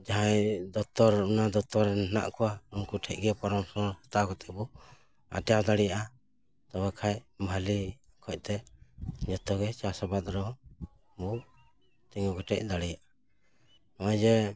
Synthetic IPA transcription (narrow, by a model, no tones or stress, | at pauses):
d͡ʒaɦajd̪ɔt̪ɔɾunad̪ɔt̪ɔɾɛnna̰ʔkɔwaumkuʈʰɛc̚ɡɛpɔɾɔmsɔhat̪akɔt̪ɛbɔ | a̰ʈjad̪aɽɛjaʔa | t̪ɔbakʰajbʱali | kʰɔc̚ˀt̪ɛɲɔt̪ɔɡɛt͡ʃasɔbad̪ɾɔ | bu | t̪iŋɔɡɔʈɛ̰c̚d̪aɽɛjaʔa | nɔɛd͡ʒɛ